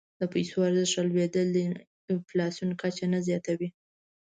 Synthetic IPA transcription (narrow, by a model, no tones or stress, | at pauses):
d̪əpajsoaɾzəʂalwed̪əld̪ə | ɪflɑsjunkat͡ʃanazjɑt̪awi